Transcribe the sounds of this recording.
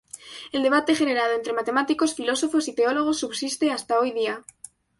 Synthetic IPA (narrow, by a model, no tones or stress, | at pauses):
e̞ld̪e̞β̞at̪e̞xene̞ɾað̞oent̪ɾe̞mat̪e̞mat̪iko̞sfilo̞so̞fo̞sit̪eo̞lo̞ɣ̞o̞sːuβsist̪e̞ast̪aojðia